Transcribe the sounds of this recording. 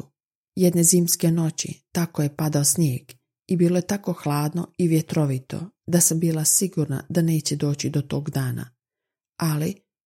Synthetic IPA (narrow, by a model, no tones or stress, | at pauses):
jed̪ne̞ziːmske̞no̞t͡ɕḭt̪akoje̞pad̪aosnjeːɡ̥ | ibiːlˠoje̞t̪ako̞xlˠaːd̪no̞̰iʋjet̪ɾo̞ʋit̪o̞̰d̪asambiːlˠasiɡuɾna̰d̪ane̞ːt͡ɕed̪o̞ːt͡ɕid̪o̞t̪o̞ːɡd̪aːna̰ | ali